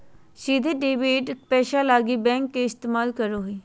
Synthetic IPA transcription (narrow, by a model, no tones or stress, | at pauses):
ʃiːd̪eːɖeːbeːʈpɛːʃaːlaːɡiːbɛ̃ːŋkːeɪst̪eːmaːlkəɾoːɦeː